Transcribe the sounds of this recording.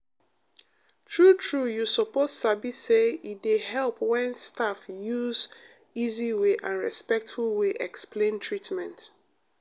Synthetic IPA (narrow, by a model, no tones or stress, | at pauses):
tʰɹutʰɹujusɔpozsabiseidehɛlpwɛ̃nstafjuz | iziweʔãnɹɛ̰spɛk̚tfulweʔɛksplẽntʰɹitmɛ̃nt